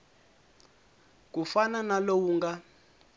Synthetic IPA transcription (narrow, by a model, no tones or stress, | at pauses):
k̬ufananalowuːŋɡa